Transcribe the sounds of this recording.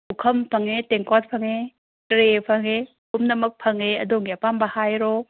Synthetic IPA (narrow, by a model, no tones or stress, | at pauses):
ukʰɐmpʰɐŋeteŋkat̚pʰɐŋe | tɾepʰɐŋe | kumnɐmɐk̚pʰɐŋeɐ̰doŋiapambɐhajɾo